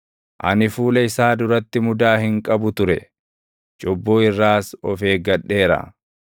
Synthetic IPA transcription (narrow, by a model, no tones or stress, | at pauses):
ʔɐ̰nɪfuːlɐɪsaːd̪ʊɾɐt̪ːɪmʊd̪aːhɪŋkʼɐbʊt̪ʊɾɛ̰ | t͡ʃʼɔbːoːɪrːaːsɔfe̞ːɡɐᶑːe̞ːɾɐ̰